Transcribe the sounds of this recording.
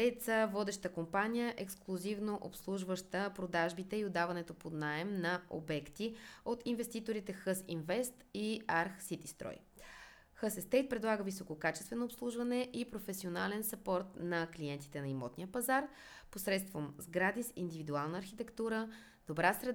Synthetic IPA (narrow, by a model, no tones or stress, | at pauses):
ɛt̪səvɔd̪ɛʃt̪əkompanijəʔɛksklˠuzivnoʔopslˠuʒvəʃt̪əpɾod̪aʒbit̪ɛiod̪ːavɐnɛt̪opod̪naɛmnɐʔo̰bɛkt̪iot̪invɛst̪it̪oɾit̪ɛxəsinvɛst̪iaɾxsit̪ist̪ɾɔ̰j | xəsɛst̪ɛjt̪̚pɾɛd̪lˠaɡəvisokokat͡ʃɛst̪vɛnoːpslˠuʒvɐnɛʔipɾofɛsionalɛnsɐpɔɾt̪nɐkliɛnt̪i̥t̪ɛnɐimɔt̪nʲijəpɐzaɾ | posɾɛt̪st̪vomzɡɾad̪isḭnd̪ivid̪ualˠnəːɾxit̪ɛkt̪uɾə | d̪̥obɾasɾɛd̪